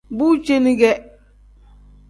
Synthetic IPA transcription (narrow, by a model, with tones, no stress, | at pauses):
bu˦t͡ʃe˦ni˦ɡɛ˦